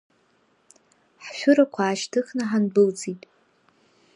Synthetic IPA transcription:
ħʃʷᶣʊɾakʷʰaːʃtʰɨχnaħanbɨld͡zitʼ

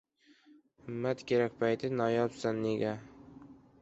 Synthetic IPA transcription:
ɪmːat̪kʲʰe̞ɾak̚ʲpʰajt̪ʰɪnɒjɒpzanːeɡʲa

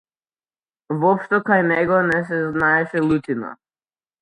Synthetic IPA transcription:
vɔpʃt̪ɔkajnɛɡɔnɛs̬ɛznaɛʃɛlˠut̪ina̰

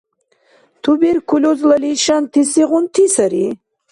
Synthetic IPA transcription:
t̪ʰubiɾkʰulʲozlɐliʃant̪ʰisiʁunt̪ʰisɐɾi

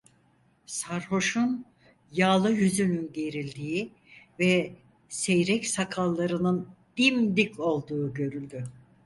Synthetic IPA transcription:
saɾho̞ʃun | jaːlˠɯjyzynynɟe̞ɾilʲd̪iːi | vɛ | sejɾɛcsakʰalˠːaɾɯnɯnd̪̥imd̪icʰo̞lˠd̪uːɟø̞ɾylʲd̪y

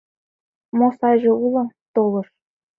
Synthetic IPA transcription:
mosɑʑɤ̆ulˠɤ̆t̪olˠɤ̆ʃ

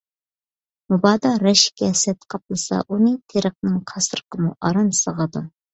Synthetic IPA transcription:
mubɑːd̪ɑɾɛʃi̥kʲɛsɛt̪qʰɑplˠɨsɑ̰ʔunɨt̪ʰeɾəq̚nɨŋqʰɑsəɾəqʰəmuʔɑɾɑnsəʁəd̪u

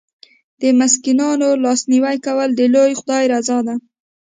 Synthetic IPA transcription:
d̪̥əmɪskinɑnolɑsniwajkawəld̪əlojxʊd̪ɑjɾazɑd̪a

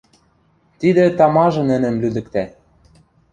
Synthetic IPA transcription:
t̪id̪ɘ̆t̪ɑmɑʒɤ̆nɘ̆nɘ̆mlyd̪ɘ̆kt̪æ

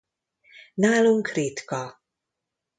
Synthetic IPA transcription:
naːluŋkɾiːt̪kɔ

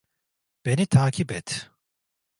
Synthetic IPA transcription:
b̥e̞nit̪ʰaːcʰipɛt̪

